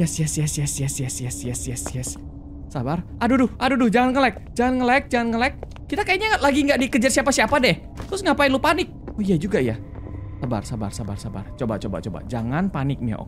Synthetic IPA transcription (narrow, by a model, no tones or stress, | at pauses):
jɛsjɛsjɛsjɛsjɛsjɛsjɛsjɛsjsjɛsː | abarʔadudʊhʔadudʊhd͡ʒaŋanŋəlɛk̚d͡ʒaŋanŋəlaɛk̚d͡ʒaŋanŋəlɛk̚ːit̪akajaɲalaɡiŋɡaʔdikəd͡ʒarsiapasiapadɛh | t̪ɾʊsŋɡapaɪnlupanɪk̚oijad͡ʒuɡaja | saba̰rsaba̰rsaba̰rsaba̰rt͡ʃoba̰t͡ʃoba̰t͡ʃoba̰d͡ʒaŋanpanɪk̚mia̰ʔo̰k